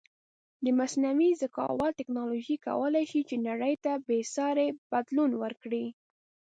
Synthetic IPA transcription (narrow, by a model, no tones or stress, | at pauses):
d̪əmasnawizakɑ̰wɑt̪ɪknɑloʒika̰wəlajʃit͡ʃenaɽəjt̪abesɑɾeb̥ad̪lunwəɾkɽi